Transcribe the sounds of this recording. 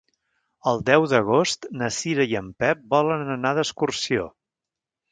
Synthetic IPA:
əlˠd̪ɛwðəɣ̞ost̪nəsiɾəiəmpɛp̚bɔlənənaðəskursio̰

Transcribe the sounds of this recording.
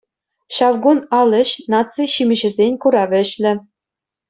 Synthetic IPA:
ɕɑʋɡunɑlʲɘ̆ɕnɑt̪t͡sɨɕimʲɘ̆ʑɘ̆zʲenʲkuɾɑʋʲɘ̆ɕlʲɘ̆

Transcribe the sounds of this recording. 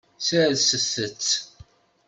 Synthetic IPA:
sæðsəθːət͡sː

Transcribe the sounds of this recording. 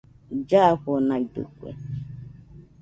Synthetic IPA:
d͡ʒaɸonãid̪ɨ̰kʷḛ

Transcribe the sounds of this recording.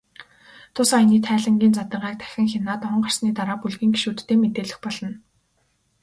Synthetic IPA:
t̪ʰʊsainiːt̪ʰæːɮə̆ŋɡʲiːnt͡sat̪ə̆ɴɢaːk̚t̪ʰæ̥xʲɪ̆ŋxenaːt̪ɔɴɢar̥sniːt̪aɾaːpuɮɣiːŋɡi̥ʃuːt̪ːeːmet̪eːɮɘ̆xpɔɮɞ̆n

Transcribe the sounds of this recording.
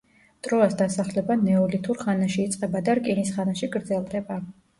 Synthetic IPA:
t̪ʼɾɔasd̪asaχlɛbanɛɔlit̪ʰuɾχanaʃiːt̪sʼqʼɛbad̪aɾkʼinisχanaʃiɡɾd̪zɛlˠd̪ɛba

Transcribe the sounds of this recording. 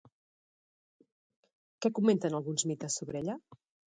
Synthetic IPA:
kɛkument̪ənəlˠɣunzmit̪əsːoβɾɛʎə

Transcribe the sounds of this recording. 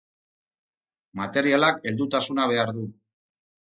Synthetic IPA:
mat̪e̞ɾialake̞ld̪ut̪asunaβ̞e̞aɾðu

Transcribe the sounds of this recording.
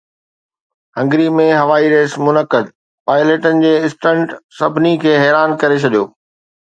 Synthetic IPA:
ɦɐ̃ŋɡɾimẽɦɐʋaːiɾeːsmʊnəkəd̪̚ | paːɪleːʈənɪ̆d͡ʑeːɪsʈə̃ɳʈsɐbʱnikʰeːɦɛːɾaːnkɐɾet͡ɕʰɐɗijoː

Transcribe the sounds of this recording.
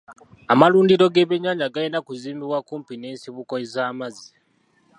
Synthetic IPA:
amaluːndiɾo̞ɡe̞βeɲːaːɲaɡajinakuziːmbiβwakuːmpine̞ːnsiβuko̞ezaːmazi

